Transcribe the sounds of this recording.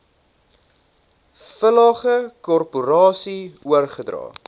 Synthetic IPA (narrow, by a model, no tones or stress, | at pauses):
fəlɑːχəkɔrpuɾɑːsiuərχədrɑ̰ː